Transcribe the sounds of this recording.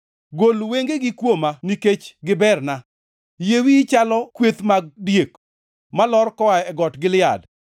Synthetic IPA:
ɡolweŋɡeɡɪkwomaniket͡ʃɡɪbɛrna | jewit͡ʃalɔkwet̪maɡdjek | malɔrkɔaɛɡɔtɡɪlɪjad

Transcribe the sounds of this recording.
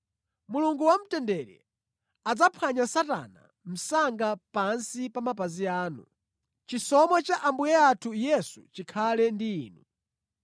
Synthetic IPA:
muluŋɡuwam̩tɛndɛɾɛ̰ | ad͡zapʰwaɲasata̰na̰ | m̩saŋɡapansipamapaziaːnu | t͡ʃisɔmwat͡ʃaʔambujɛatʰujɛsut͡ʃikʰalɛndiːnu

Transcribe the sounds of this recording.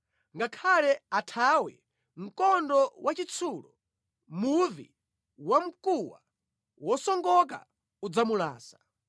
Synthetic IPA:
ŋɡakʰalɛatʰawɛ | m̩kɔndɔwat͡ʃit͡sʰuːlɔ | muvḭ | wam̩kuwa̰ | wɔsɔŋɡɔk̬a̰ | ud͡zamula̰ːsḁ

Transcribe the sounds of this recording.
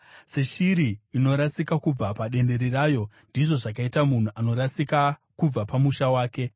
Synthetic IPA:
se̞ʃiɾiːno̞ɾasikakub͡vapaɗe̞nde̞ɾiraːjo̞ | ndiʐo̞ʐakaitamun̤uʔano̞ɾasikakub͡vapamuʃawaːke̞

